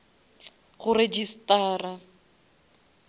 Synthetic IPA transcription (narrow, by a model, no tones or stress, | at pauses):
ɣʊred͡ʒistaːra